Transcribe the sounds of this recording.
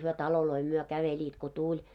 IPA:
hyø tɑloloi myø kæʋelʲiːt ko tulʲ

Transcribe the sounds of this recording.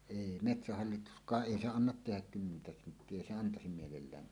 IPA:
eˑi metsæhɑlːituskˑɑːʔ ʔeˑi se ɑnːɑt tehæk kymːentæ sentːie eˑi se ɑntɑsim mielelːæːn

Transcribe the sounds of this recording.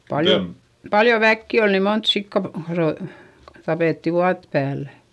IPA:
pɑljo pɑljo ʋækːi ol ni mont sikːɑ ro tɑpeˑtːi ʋuɑt pæːlːæ̥

